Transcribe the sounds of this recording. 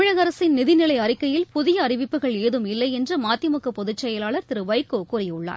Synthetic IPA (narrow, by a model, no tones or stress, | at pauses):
ɪɻɐɣɐɾɐsɪnnɪðɪnɪlɐɪɐrɪkːɐjɪlpʊðɪjɐːrɪʋɪpːɯɣɐɭeːðɯmɪlːɐɪɛndrɐmaːt̪ːɪmʊkːɐpːɔðɪt͡ʃːɐjɐlaːɭɐɾt̪ɪɾɯʋɐɪkːoːkuːrɐjʊɭːa̰ː